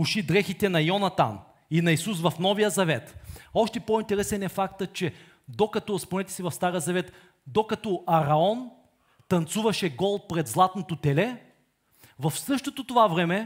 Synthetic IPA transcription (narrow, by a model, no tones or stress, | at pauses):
uʃid̪ɾɛxit̪ɛnɐjɔnɐt̪a̰n | inɐisusvɐfnɔvijəzɐvɛt̪ɔʃt̪ɛpoint̪ɛɾɛsɛnɛfakt̪ət͡ʃɛ | d̪okɐt̪ɔspnɛt̪ɛ̥sivɐfst̪aɾjəzɐvɛt̪ | d̪okɐt̪ɔʔɐɾɐɔn | t̪ɐnt̪suvɐʃɛɡɔl̚ˠpɾɛd̪zlˠat̪not̪ot̪ɛlɛ | vɐfsɤʃt̪ot̪ot̪ovavɾɛmɛ